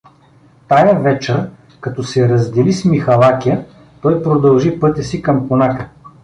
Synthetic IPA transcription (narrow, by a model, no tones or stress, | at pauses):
t̪ajəvɛt͡ʃɛɾ | kɐt̪ɔsɛɾɐzd̪ɛlismixɐlˠakʲijə | t̪ɔjpɾod̪ɐlˠʒipɤt̪ʲəsikɐmponakə